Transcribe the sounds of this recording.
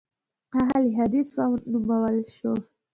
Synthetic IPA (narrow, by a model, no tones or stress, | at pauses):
qaɦalɦad̪iswawnumawəlʃo